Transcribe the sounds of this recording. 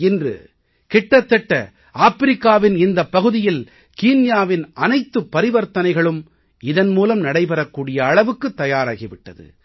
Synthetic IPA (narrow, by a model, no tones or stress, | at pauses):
ɪndrɯ̰ | kɪʈːɐt̪ːɛʈːɐ̰ | aːfɪɾɪkːaːʋɪnɪnd̪ɐpːɐɣɯðɪjɪl | kiːnjaːʋɪnɐnɐɪt̪ːɯpːɐɾɪʋɐɾt̪ɐnɐɪɣɐɭɯm | ɪðɐnmuːlɐmnɐɽɐɪpɐɾɐkːuːɽɪjɐːɭɐʋɯkːɯt̪ːɐjaːɾaːɣiʋɪʈːɐðɯ̰